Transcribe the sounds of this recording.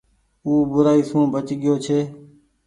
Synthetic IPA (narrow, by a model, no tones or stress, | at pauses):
uːbʊɾaːiːsũːbət͡ʃɠɪjoːt͡ʃʰeː